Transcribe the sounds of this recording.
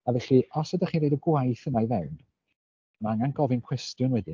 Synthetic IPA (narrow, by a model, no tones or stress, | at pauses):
avɛɬiɔsədaχiɾejdəɡwajθənajvɛwn | maŋanɡɔvɪnkʰw̥ɛstjʊnwɛdɪ